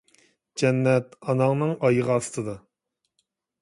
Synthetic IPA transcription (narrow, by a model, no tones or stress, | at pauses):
d͡ʒɛnːɛt̪ɑnɑŋnɨŋɑjəʁɑɑst̪ʰɨd̪ɑ